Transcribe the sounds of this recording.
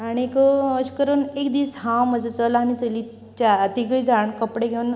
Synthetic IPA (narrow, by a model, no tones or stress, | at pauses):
aɽ̃iekoəskəɾənekd̪iːsɦãwməd͡zat͡səlanit͡səli | t͡ɕat̪iɡəd͡zaɳkəpɽeɡʱeun